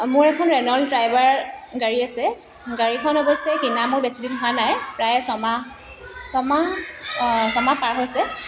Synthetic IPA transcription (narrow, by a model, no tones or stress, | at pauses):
mʊɹɛkʰɔnɹɛnɔldɹajbaɹɡaɹiasɛ | ɡaɹikʰɔnɔbɔsɛkinamʊɹbesidinɦʊanajpɹajsɔma | sɔma | sɔmapaɹɦojsɛ